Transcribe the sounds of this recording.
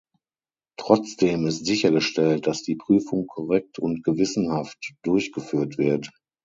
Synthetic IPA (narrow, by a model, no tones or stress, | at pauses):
tʁ̥ɔt͡sd̥eːmɪstz̥ɪçɐɡəʃtɛlt̚d̥asd̥iːpʁ̥yːfʊŋkʰɔʁɛk̚tʰʊntɡ̥əvɪsn̩haftd̥ʊɐçɡ̥əfyːɐtv̥ɪɐt